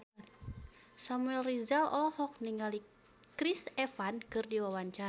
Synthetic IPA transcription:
samuɛlrizalɔ̰lɔhɔk̚niŋɡali | kɾisɛfankɨrdiwawaɲt͡ʃa

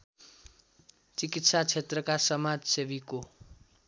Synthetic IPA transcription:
t͡sikit̪sat͡sʰet̪rʌkasʌmad͡zsebiko

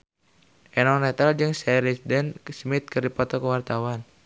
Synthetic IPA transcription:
ʔɛnɔnɛt̪ald͡ʒɨŋsɛɾɛsidɛnsmit̪̚kɨrdipɔt̪ɔkəwart̪awan

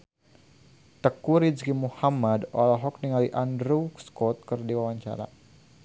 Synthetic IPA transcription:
t̪əkuɾid͡ʒɡimuhamadɔlaɦɔk̚niŋaliʔandɾuskɔt̪̚kərdiwawaɲt͡ʃa̰ɾa̰

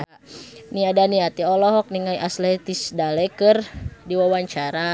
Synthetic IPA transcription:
niadaniat̪iɔlɔɦɔk̚niŋajʔaslɛt̪isdalɛkɨrdiwawaɲt͡ʃaɾa

